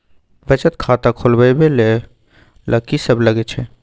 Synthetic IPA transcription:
bət͡ʃət̪kʰaːt̪akʰʊlbəjbele | lʔəkisəbləɡet͡ʃʰe

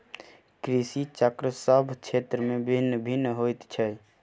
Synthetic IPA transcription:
kɾisit͡ʃəkɾəsəbʱt͡ʃʰet̪ɾəmebʱinːbʱinːɦojt̪t͡ʃʰɛ

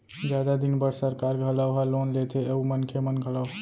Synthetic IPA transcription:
d͡ʒjad̪ad̪inbəɽsəɾkaɾɡʱələwɦalonlet̪ʰeeumənkʰemənɡʱələ

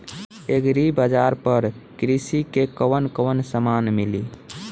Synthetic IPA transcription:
eɡɾibəd͡ʒaɾpəɾkɾisikekəwənkəʋənsəmanmili

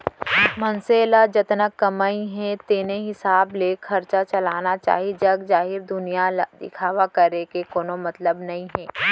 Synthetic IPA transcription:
mɐnseːlad͡ʒɐt̪nəkːɐmaːĩɦɛ̃t̪eːneɦɪsaːblekʰɐɾt͡ʃat͡ʃɐlaːnat͡ʃa̰ːɦid͡ʒɐɡd͡ʒaːɦɪɾd̪ʊnijad̪ɪ̰kʰaːʋakɐɾekekoːnomɐt̪ləbnɐɦĩɦɛː

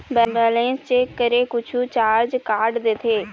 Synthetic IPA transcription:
bɛbɛːlẽːnst͡ʃeːkːəɾeːkʊt͡ʃʰut͡ʃaːɾd͡ʒkaːɾɖd̪et̪ʰeː

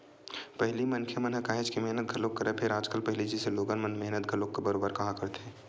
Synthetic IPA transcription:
pɛɦlimɐnkʰemɐnɦəkaːɦed͡ʒkimɛɦnət̪̚ɡʱɐlokːɐɾepʰɪɾaːd͡ʒkəlpɛɦlid͡ʒiseloːɡənmənmɛɦnət̪̚ɡʱɐlokːebɐɾoːbəɾkɐɦãkɐɾt̪ɦɛ̃ː

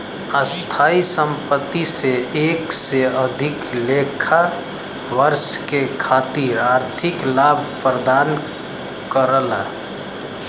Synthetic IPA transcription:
əst̪ʰaːisə̃mpət̪ːiseeːkseəd̪ʱɪklekʰa | ʋəɾʃkekʰaːt̪iɾaːɾt̪ʰɪklaːbʱpɾəd̪aːn | kəɾəla

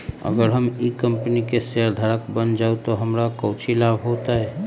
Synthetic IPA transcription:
ə̰ɡəɾɦəmikəmpənikeseəɾd̪ʱaɾəkbənd͡ʒaut̪oɦəmɾakəʊt͡ʃʰilabɦot̪aɦɛ

